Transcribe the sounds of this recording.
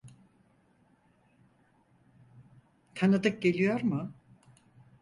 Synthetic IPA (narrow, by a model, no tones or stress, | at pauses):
t̪ʰanɯd̪ɯk̚ɟe̞lʲijoɾmʊ